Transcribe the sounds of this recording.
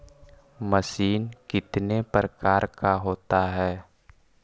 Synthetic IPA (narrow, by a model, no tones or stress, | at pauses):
məsinkit̪nepərkarkaɦot̪aɦɛ